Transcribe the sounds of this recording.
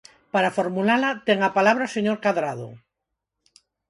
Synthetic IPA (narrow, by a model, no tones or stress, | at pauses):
paɾafoɾmulalat̪eŋapalaβɾaoseɲoɾkaðɾað̞o̰